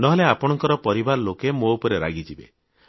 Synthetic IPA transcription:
nɔɦeleapɔɽ̃ɔŋkɔɾɔpɔɾibaɾɔlokemoupɔɾeɾa̰ɡid͡ʒibḛ

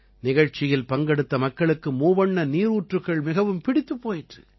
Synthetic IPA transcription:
nɪɣɐɻt͡ʃɪjɪlpɐŋɡɐɽɯt̪ːɐmɐkːɐɭɯkːɯmuːʋɐɳːɐniːɾuːʈrɯɣɐɭmɪɣɐʋɯmpɪɽɪt̪ːɯpːoːjɪʈrɯ

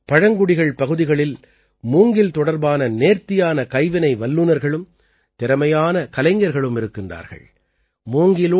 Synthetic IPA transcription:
pɐɻɐŋɡʊɽɪɣɐɭpɐɣɯðɪɣɐɭɪl | muːŋɡɪlt̪ɔɽɐɾbaːnɐneːɾt̪ɪjaːnɐkɐɪʋɐnɐɪʋɐlːɯnɐɾɣɐɭɯm | t̪ɪɾɐmɐjaːnɐkɐlɐɪŋɡɐɾɣɐɭɯmɪɾɯkːɪndra̰ːɾɣɐ̰ɭ | muːŋɡɪlo

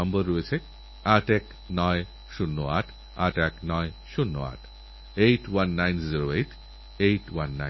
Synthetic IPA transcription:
ɔmbəɾːojet͡ɕʰe | aʈɛk | nɔe | ʃunːoaʈʰ | aʈɛknɔeʃunːo̰a̰ʈʰ | ejʈwanːajnziɾoejʈ | ejʈwanːa

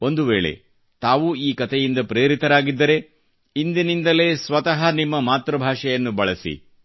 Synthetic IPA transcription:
o̞nd̪uʋe̞ːɭe̞̰ | t̪aːʋuiːkɐt̪ɛjind̪ɐpɾeːɾit̪ɐɾaːɡid̪ːɐɾe̞ | ind̪inind̪ɐle̞ːsʋɐt̪ɐɦɐnimːɐmaːt̪ɾɐbʱaːʂɛjɐnːubɐɭɐsḭ

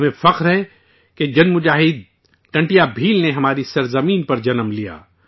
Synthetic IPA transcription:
mẽfɐqɾɦɛ | ked͡ʒɐnmʊd͡ʒaːɦɪd̪̚ | ʈɐ̃ɳʈijabʱiːlneɦɐmaːɾisɐɾzɐmiːnpɐɾd͡ʒɐnəmlija̰ː

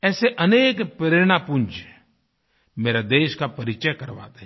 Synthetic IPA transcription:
ɛːseʔəneːkpɾeːɾɳ̃ãpʊnd͡ʒ | meːɾad̪eːʃkapəɾɪt͡ʃəjkəɾʋa̰ːt̪e

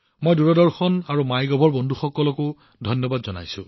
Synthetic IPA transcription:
mɔjduɹɔdɔɹxɔnaɹumajɡɔbʱɔɹbɔndʱuxɔkːɔlɔkʊ | dʱɔjnːɔbadzɔna̰jsʊ̰̃

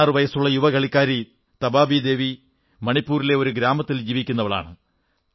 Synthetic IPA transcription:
rɨʋɐjɐsuɭːɐjuʋɐɡɐɭikʲːaːɾi | t̪ɐbaːbid̪e̞ːʋi | mɐɳipːuːɾile̞o̞ɾuɡɾaːmɐt̪ːild͡ʑiːʋikʲːunːɐʋɐɭa̰ːɳɨ

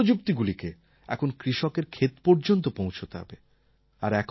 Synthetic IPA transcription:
od͡ʑukt̪iɡulike | ɛkʰonkɾiʃɔkeɾkʰet̪poɾd͡ʑont̪̬opõw̃t͡ɕʰot̪eɦɔ̰be | aɾɛkʰ

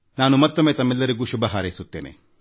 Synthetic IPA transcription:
naːnumɐt̪ːomːeːt̪ɐmːɛlːɐɾiɡuːʃubɐɦaːɾɐjsut̪ːeːnḛ

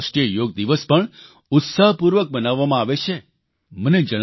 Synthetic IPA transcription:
ʃʈijəjoɡ̚d̪iʋəspəɳ | ʊt̪saɦpuɾʋək̚bənaʋːamãaʋet͡ʃʰe | məned͡ʒəɽ̃

